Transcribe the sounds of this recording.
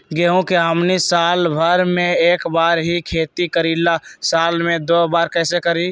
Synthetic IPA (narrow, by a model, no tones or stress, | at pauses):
ɡeɦũkeɦəmnisaːlbʱəɾmẽeːkbaːɾɦikʰeːt̪ikəɾilasaːlmẽd̪oːbaːɾkɛːsekəɾi